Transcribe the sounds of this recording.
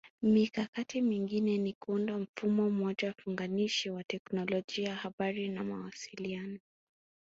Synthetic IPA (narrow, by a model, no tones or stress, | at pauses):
mikakatimiŋɡinɛnikuundam̩fumɔm̩ɔʄawfuŋɡaniʃiwatɛknɔlɔʄiajahaɓaɾinamawasilianɔ